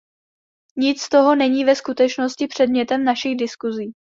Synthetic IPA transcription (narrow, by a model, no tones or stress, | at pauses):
ɲɪt͡sst̪o̞ɦo̞nɛɲiːvɛskut̪ɛt͡ʃno̞scɪpr̝̥ɛdmɲɛt̪ɛmnaʃɪɣdɪskuziː